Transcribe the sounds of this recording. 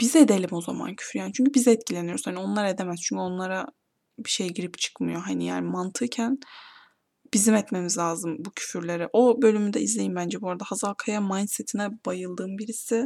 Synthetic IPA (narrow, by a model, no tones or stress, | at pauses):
b̥ized̪e̞lʲimo̞za̰ma̰ncʰy̥fyɾjaːnit͡ʃʰyɲcʰybizɛɛt̪̚cʰilʲe̞nijo̞ɾshanio̞nlˠaɾaed̪emæzt͡ʃʰyɲcʰyo̞nlˠaɾa | biʃe̞jɟiɾipt͡ʃʰɯ̥kmɯjo̞ɦanija̰ːnimant̪ʰɯcʰæn | b̥izimɛt̪me̞mizlʲaːzɯmbucʰy̥fyɾlʲe̞ɾiʔo̞bø̞lʲymyd̪ɛ̰izlʲe̞jimbænd͡ʒɛbuoɾad̪ahazalˠkʰajamanset̪ʰinɛbajɯlˠd̪ɯːmbiɾisɪ